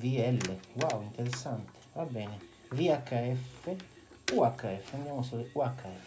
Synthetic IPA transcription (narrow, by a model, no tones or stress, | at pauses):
viɛlːewawint̪eɾɛsːant̪ʰe̥vabɛːne | viakːaɛfːe | uakːaɛfːeand̪jamosɔɾeuakʰːaɛfː